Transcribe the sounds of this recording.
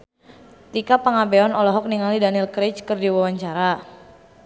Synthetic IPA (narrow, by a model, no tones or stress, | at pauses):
t̪ikapaŋabɛɔnɔlɔɦɔk̚niŋalidanilkɾet͡ʃkərdiwawaɲt͡ʃaɾa